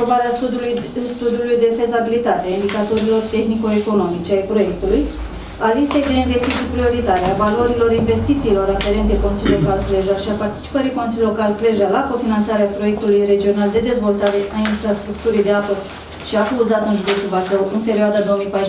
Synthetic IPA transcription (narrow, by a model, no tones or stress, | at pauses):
obaɾea | st̪ud̪iulujd̪e̞fe̞zabilit̪at̪eaind̪ikat̪o̞ɾilo̞rt̪e̞xnikoeko̞no̞mit͡ʃeaepɾo̞je̞k̚t̪uluj | alise̞jd̪einve̞st̪it̪sijpɾio̞ɾit̪aɾeavalo̞ɾilo̞ɾinve̞st̪it̪siːlo̞ɾafe̞ɾe̞nt̪eko̞nsilʲokalkle̞ʒaʃiapart̪i̥t͡ʃi̥pəɾiko̞nsilʲo̞kalkle̞ʒalako̞finant̪saɾeapɾo̞jek̚t̪ulujre̞d͡ʒio̞nald̪e̞d̪e̞zvo̞lt̪aɾe̞ʔainfɾast̪ɾuk̚t̪uɾijd̪eapə | ʃiafuzat̪ɨnʒud̪e̞t̪ubak̪ɾəwʔɨnpe̞ɾioad̪ad̪o̞omijpajʃ